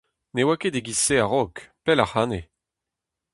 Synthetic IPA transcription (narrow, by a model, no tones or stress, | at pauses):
newaked̪eɡiseaʁɔkpɛlaχaːne